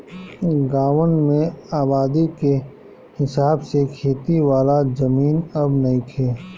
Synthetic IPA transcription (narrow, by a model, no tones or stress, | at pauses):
ɡaːʋənmẽaːbaːd̪ike | hɪsaːbsekʰeːt̪iwaːlazɐmiːnɐbnɐɦĩkʰeː